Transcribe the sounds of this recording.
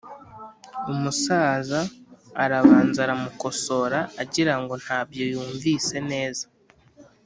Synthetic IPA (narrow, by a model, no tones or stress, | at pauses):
umusaːzaːɾaβaːnzaɾamuko̞so̞ɾaːɟiɾaŋɡo̞n̥haːbjojuːɱviːse̞ne̞ːzḁ